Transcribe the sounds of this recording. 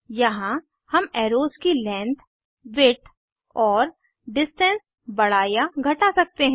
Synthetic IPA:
jɐɦã | hɐmɛːɾoːzkilɛ̃ːnt̪ʰ | ʋɪʈʰ | ɔːɾ | ɖɪsʈɛ̃ns | bɐɽ̤aːjaɡʱɐʈasɐk̚t̪eɦɛ̃

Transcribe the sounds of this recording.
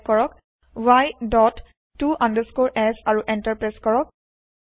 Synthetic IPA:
kɔɹɔk | wajdɔtː | uʔãndəskoɹʔɛsaɹuʔɛntəɹpɹeskɔɹɔk̚

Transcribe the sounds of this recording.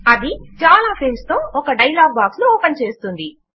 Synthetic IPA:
ɐd̪it͡ʃaːlaːpʰelmst̪o̞ːɔkɐɖɐjlaːɡ̚baːksluɔːpɐnt͡ʃe̞ːst̪und̪i

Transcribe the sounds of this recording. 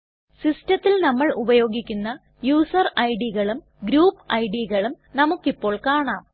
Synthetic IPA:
sistɐt̪ːilnɐmːɐɭubɐjo̞ːɡikʲːunːɐ | juːsɐrɐjɖiɣɐɭum | ɡɾuːpɐjɖiɣɐɭum | nɐmukːipːo̞ːɭkaːɳaːm

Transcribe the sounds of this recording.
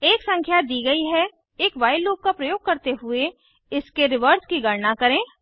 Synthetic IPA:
eːksə̃ŋkʰjad̪iːɡɐiɦɛ | eːkʋaːɪlːoːɡ̚kapɾɐjoːɡ̚kɐɾt̪eɦʊe | ɪskeɾɪʋəɾskiɡɐɾnakɐɾẽː

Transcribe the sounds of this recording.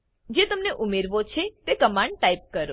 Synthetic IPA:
d͡ʒet̪əmneʔumeɾʋot͡ʃʰet̪ekəmãɳɖ̚ʈaip̚kəɾo

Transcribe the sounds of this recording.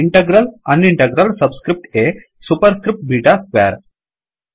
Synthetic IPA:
iɳʈeɡɾələniɳʈeɡɾəlsəbskɾip̚ʈe | supəɾskɾip̚ʈ̚bʱiːʈaska̰ɾ

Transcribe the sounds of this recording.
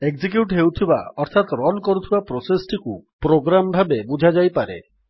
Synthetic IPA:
ekd͡ʒik̬juʈɦewt̪ʰiba̰ɔɾt̪ʰat̪ɾɔlkɔɾut̪ʰibapɾosesʈikupɾoɡɾambʱabebud͡ʒʱad͡ʒajpaɾḛ

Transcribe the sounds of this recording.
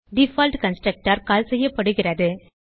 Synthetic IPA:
ɖɪfaːlʈkɐnsʈɾɐk̚ʈaːɾkaːlsɛjːɐpːɐɽɯɣɪrɐðɯ

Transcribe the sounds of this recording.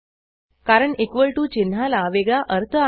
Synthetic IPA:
kaɾəɳekʋəɭʈuːt͡ɕin̤ːalaʋeɡɭaʔəɾt̪ʰəa

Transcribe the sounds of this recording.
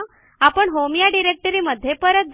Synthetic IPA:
apəɳɦomjaɖiɾek̚ʈəɾiːməd̪ʱjepəɾət̪̚d͡z

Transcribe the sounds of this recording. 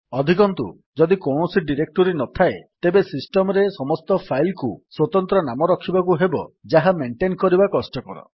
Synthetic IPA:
ɔd̪ʱikɔnt̪ṵ | d͡ʒɔd̪ikɔwɳɔsiɖiɾek̚ʈɔɾinɔt̪ʰaet̪ebesisʈɔmɾesɔmɔst̪ɔpʰajlkuswɔt̪ɔnt̪ɾɔnamɔɾɔkʰibakuɦebɔ̰d͡ʒaɦameɳʈenkɔɾibakɔsʈɔkɔɾɔ̰

